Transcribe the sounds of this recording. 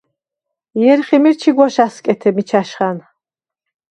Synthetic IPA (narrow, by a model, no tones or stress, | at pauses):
jɛɾχimiɾt͡ʃʰiɡwɔʃaskʼɛt̪ʰɛmit͡ʃʰaʃχan